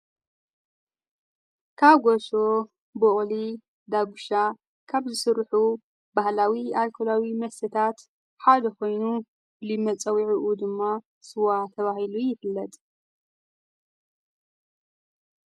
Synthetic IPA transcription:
kʰaβɡoʃo | boχʼli | d̪aɡuʃa | kʰaβzɨsɨɾħu | bahlawialkʰolawimɐsɨt̪ʰat̪ | ħad̪ɐko̞jnu | blimːɐt͡sʼɐwiʕiʔud̪ɨmːa | sɨwat̪ʰɐβahilujɪfɨlːɐt̪ʼ

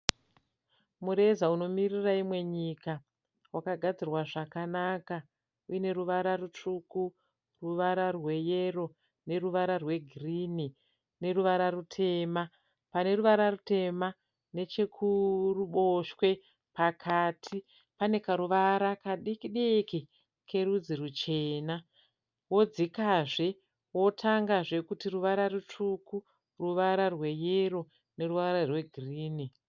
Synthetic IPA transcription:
muɾe̞zauno̞miriraimwe̞ɲika | wakaɡʱad͡zirwaʐakanaka | uine̞ruʋaɾarut͡ʂuku | ruʋaɾarwe̞jero̞ | ne̞ruʋaɾarwe̞ɡʱrini | ne̞ruʋaɾarutʰe̞ma | pane̞ruʋaɾarute̞ma | ne̞t͡ʃekʰuruɓo̞ʃwe̞ | pakʰatʰi | pane̞kaɾuʋaɾakaɗikiɗeki | kʰe̞ɾud͡ziɾut͡ʃe̞ːna | wo̞d͡zikaʐe̞ | wo̞tʰaŋɡaʐe̞kutiruʋaɾarut͡ʂuku | ruʋaɾarwe̞jero | ne̞ruʋaɾarwe̞ɡʱiriːni

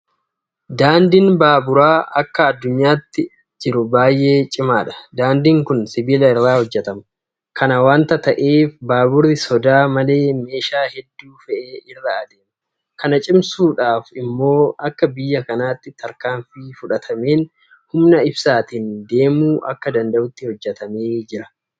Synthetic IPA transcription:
d̪aːnd̪ɪnbaːbʊɾaːɐkːɐɐd̪ːʊɲːaːt̪ːɪ | d͡ʒɪɾʊbaːjʔe̞ːt͡ʃʼɪmaːᶑɐ̥d̪aːnd̪ɪŋkʊnsɪbɪlɐɪrːaːhɔd͡ʒːɛt̪ɐmɐ | kʰɐnɐwaːnt̪ɐt̪ɐʔe̞ːfbaːbʊɾɪsɔd̪aːmɐle̞ːme̞ːʃaːhɛd̪ːuːfɛʔeːɪrːaːɐd̪eːmɐ | kʰɐnɐt͡ʃʼɪmsuːᶑaːfɪmːo̞ːɐkːɐbɪjːɐkɐnaːt̪ːɪt̪ʰɐɾkaːɱfiːfʊᶑɐt̪ʰɐmeːn | hʊmnɐɪbsaːt̪ɪnd̪e̞ːmuːʔɐ̰kːɐd̪ɐnd̪ɐʔʊt̪ːɪhɔd͡ʒːɛt̪ɐmeːd͡ʒɪɾɐ̥

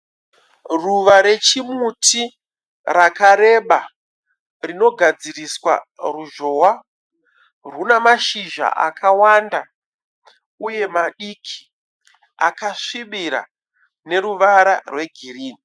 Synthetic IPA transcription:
ruʋaɾe̞t͡ʃimutʰi | rakaɾe̞ɓa | rino̞ɡʱad͡ziriswa̰ruʒo̞wa | runamaʃiʒa̰ʔa̰kʰawanda | uje̞maɗikʰi̥ | a̰kaʂiɓiɾa̰ | ne̞ɾuʋaɾarwe̞ɡʱiriːni

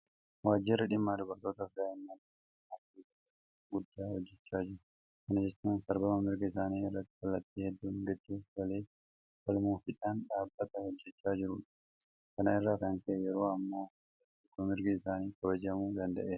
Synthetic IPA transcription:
waːd͡ʒːɪrːɐᶑɪmːaːd̪ʊbɐɾt̪o̞ːt̪ɐfd̪aːɪnːad̪ | ɐkiːt̪ɐɐ | ɡʊd̪ːaːhɔd͡ʒːɛt͡ʃːaːd͡ʒɪɾʊ | kɐnɐd͡ʒɛt͡ʃːaːnsɐɾbɐmɐmɪɾɡɐɪsaːniːɪrːɐt̪ːɪ̥kɐlːɐt̪ːiːhɛd̪ːuːŋɡɛd̪ːuːɡɐle̞ː | fɐlmuːfɪᶑaːnᶑaːbːɐt̪ɐhɔd͡ʒːɛt͡ʃːaːd͡ʒɪɾʊᶑɐ̥ | kɐnɐɪrːaːkɐnt̪ɐʔɛjɛɾoːɐmːaː | ɐ | ɪkːɔmɪɾɡɐɪsaːniːkɐbɐd͡ʒɐmuːd̪ɐnd̪ɐʔeː

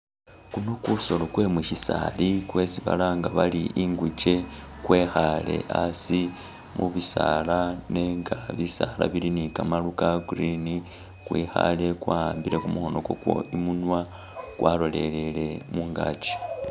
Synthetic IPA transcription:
kuno̞kuso̞lo̞kwe̞mwiʃisa̰likwe̞siβa̰laŋɡaβaliʔiŋɡut͡ʃe̞kwe̞xale̞̰asi | mṵβisalane̞ŋɡaβisala̰βilinikamalukaɡɾini | kwixa̰le̞kwaːaːmbiɾe̞kumuho̞no̞ko̞kwo̰imunwa | kwʔalo̞le̞le̞le̞muŋɡat͡ʃi̥

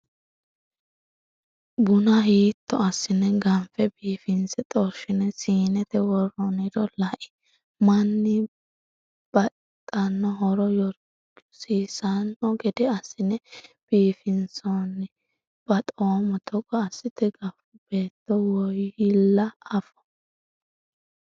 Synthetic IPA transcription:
bʊnɐɦiːt̪ːɔɐsːɪnɛɡɐmfɛbiːfɪnsɛt̪ʼɔɾʃɪnɛsiːnɛt̪ɛwɔrɔnɪɾɔlɐʔɪ̥ | mɐnːɪ | b̥ɐ | t̪ʼːɐnːɔɦɔɾɔjɔɾ | siːsɐnːɔɡɛd̪ɛɐsːɪnɛb̥iːfɪnsɔnɪ | b̥ɐt̪ʼoːmɔt̪ʰɔkʼːɐːsːɪt̪ɛɡɐfʊb̥e̞ːt̪ːɔwɔjɪlːɐɐfɔ̥

